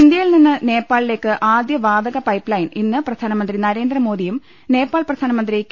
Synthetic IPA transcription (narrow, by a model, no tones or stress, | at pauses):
ind̪jɐjilninːɨne̞ːpːaːɭile̞ːkːɨʔaːd̪jɐʋaːd̪ɐɣɐpɐjpːlɐjninːɨprɐd̪ʱaːnɐmɐnd̪rinɐɾe̞ːnd̪rɐmo̞ːd̪ijum | ne̞ːpːaːɭprɐd̪ʱaːnɐmɐnd̪rik